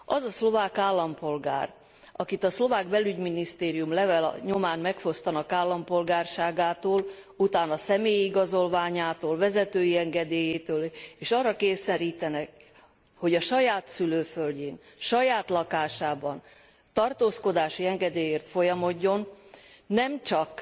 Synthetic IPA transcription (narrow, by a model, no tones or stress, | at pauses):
ʔɒzɒslo̞vaːkaːlːɒmpo̞lɡa̰ːr | ɒkit̪ɒslo̞vaːɡbɛlyɟminist̪eːɾijumlɛvɛlɲo̞maːnmɛkfo̞st̪ɒnɒkaːlːɒmpo̞lɡaːrʃaːɡaːt̪oːl | ut̪aːnɒsɛmeːjiɡɒzo̞lvaːɲaːt̪oːlvɛzɛt̪øːjiɛŋɡɛd̪eːjeːt̪øːleːʃɒrːɒkeːsɛɾiːt̪ɛnɛk | ho̞ɟɒʃɒjaːt̪syløːfølɟeːn | ʃɒjaːt̪lɒkaːʃaːbɒn | t̪ɒrt̪oːsko̞d̪aːʃiɛŋɡɛd̪eːjeːrt̪fo̞jɒmo̞ɟːo̞nː | ɛmt͡ʃɒk